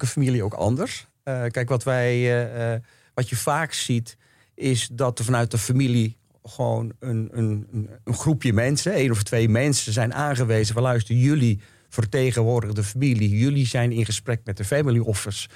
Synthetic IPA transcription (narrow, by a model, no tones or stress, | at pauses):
kəfamilˠiowkɑ̰ndəɹs | kɛjkʋɑtʋɛj | ʋɑtjəvaːksit | ʔɪsdɑtəvɑnœɥt̚əfamilˠi | χəʋo̰wnənənəənχrupjəmɛnsəeːnɔftʋejmɛnsəzɛjnʔaːnχəʋeːzəʋəlœɥstəəjɵli | v̥ərtejχənʋʊːɹdəɣdəfamilijɵlizɛjnɪnχəsprɛk̚mɛt̚dəfɛmiliʔɔfərs